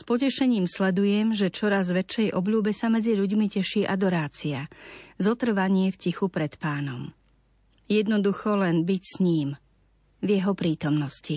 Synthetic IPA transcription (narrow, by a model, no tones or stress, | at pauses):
spɔcɛʃɛɲiːmslɛd̪ujɛmʒɛt͡ʃɔɾazʋɛt͡ʃːɛjʔɔbʎuːbɛsamɛd͡ziʎuɟmicɛʃiːʔad̪ɔɾaːt͡siazɔt̪r̩ʋaɲɪɛfcixupɾɛt̪paːnɔm | jɛd̪nɔd̪uxɔlɛnbicsɲiːm | vjɛɦɔpɾiːt̪ɔmnɔsci